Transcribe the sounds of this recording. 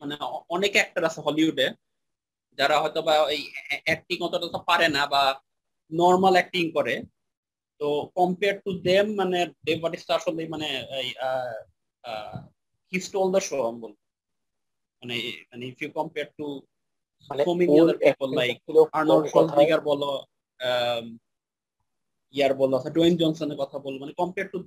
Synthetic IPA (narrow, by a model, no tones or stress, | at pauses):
maneɔnekɛk̚ʈaɾasʰeɦɔliɦuɖe | d͡ʑaɾaɦɔjt̪obaejʔɛk̚ʈiŋɔt̪oʈaat̪ʰapaɾenaba | nɔɾmalɛk̚ʈiŋkɔɾe | t̪okɔmpeaɾ̚ʈud̪emːaned̪embaʈistaaʃolejmaneeja | hisʈold̪əʃoambolo | manemaneifiukɔmpeɾ̚ʈu | somiŋelaɾpibolːajk̚aɾnɔʃɔld̪ikaɾbɔlo | iaɾbolːoatʰaɖojnd͡ʑɔnsoneɾkɔt̪ʰabolːomanekɔmpeɾʈu